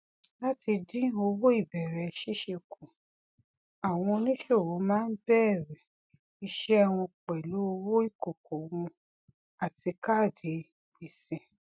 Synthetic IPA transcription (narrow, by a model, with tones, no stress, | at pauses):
la˦ti˧dĩ˦o˧wo˦i˦˨bɛ˨ɾɛ˨ʃi˦ʃe˧kʰũ˨ | a˨w̃ɔ̃˧nĩ˦ʃo˦˨wo˨˦mãː˦n̩˦bɛː˦˨ɾɛ˨ | i˧ʃɛ˦ɛ˧w̃ɔ̃˧k͡pɛ˨lo˨˦o˧wo˦i˦˨ko˨ko˨˦w̃ũ˧ | a˨ti˧ka˦˨di˨˦ | bi˨sɛ̃˨